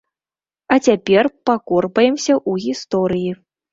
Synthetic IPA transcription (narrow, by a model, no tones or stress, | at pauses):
ɐt͡sʲapʲɛrpakɔrpɐjɛmsʲɐʔuɣʲist̪ɔɾɨji